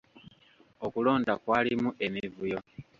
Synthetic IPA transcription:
okulo̞ːndakwaːlimuʔe̞mivujo̞

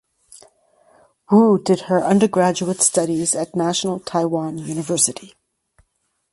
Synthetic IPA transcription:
wudɨd̚ə˞ʔʌ̃ndə˞ɡɹæd͡ʒuətstʌɾizɨtⁿnæʃn̩l̩ˠtʰaɪwɑ̃njʉnɨvɜ˞sɨɾi

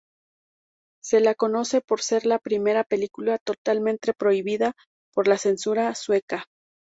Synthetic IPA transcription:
se̞lako̞no̞se̞po̞ɾse̞ɾlapɾime̞ɾape̞likulat̪o̞t̪almẽnt̪e̞pɾo̞iβiða | po̞ɾlase̞nsuɾaswe̞ka

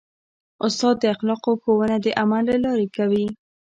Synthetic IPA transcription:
ʊst̪ɑd̪̚ːəaxlɑqoxowənad̪əʔamallalɑɾekawi

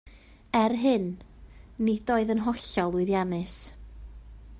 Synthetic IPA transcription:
ɛrɦɨnː | id̥oːɨðənɦɔɬɔlˠʊɨðjanɨs

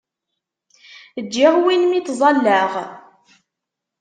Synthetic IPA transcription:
əd͡ʒːɪʁwinmit̪zˤɑlːəʁ

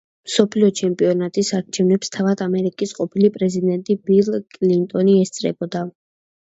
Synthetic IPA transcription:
msɔpʰliɔt͡ʃʰɛmpʼiɔnat̪ʼisaɾt͡ʃʰɛvnɛpst̪ʰavad̪amɛɾikʼisqʼɔpʰilipʼɾɛzid̪ɛnt̪ʼibilˠkʼlint̪ʼɔniɛst̪sʼɾɛ̰bɔd̪a

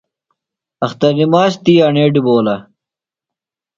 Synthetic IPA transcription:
ɐxt̪ɐɾnimaːst̪iːɐɳeːɖiboːlɐ

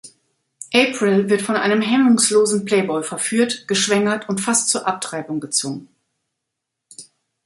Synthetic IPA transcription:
ʔeːpʁ̥ɪlvɪɐtfɔnʔa̰ɪnəmɦɛmʊŋsloːzn̩pl̥ɛɪbɔʏfɛɐfyːɐtɡ̥əʃv̥ɛŋɐtʊntfastt͡suːɐʔap̚tʁ̥aɪbʊŋɡət͡sv̥ʊŋən

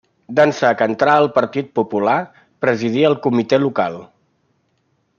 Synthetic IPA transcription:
d̪ənsakənt̪ɾaəlˠpəɾt̪it̪̚pupula | pɾəzið̞iəlˠkumit̪elukalˠ

